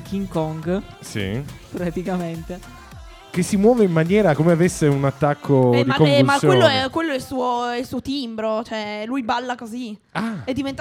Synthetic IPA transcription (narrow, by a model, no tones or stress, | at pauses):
kiŋkɔŋɡsḭpɾat̪ikament̪e | k̟esːimwɔːveimːanjɛːɾakomeavesːeunat̪ːakʰːod̪iakovulmasjweoːoɛkwelːoɛlsuːoɛilsuːot̪imbɾot͡ʃoɛlujbalːakozi | aɛd̪ːivent̪a